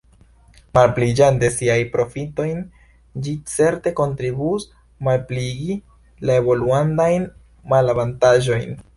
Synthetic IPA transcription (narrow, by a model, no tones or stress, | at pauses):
malplid͡ʒande̞siajpɾo̞fito̞jn | d͡ʒit͡se̞ɾte̞ko̞ntɾibus | malpliɡi | laebo̞luandajn | malavantaʒo̞jn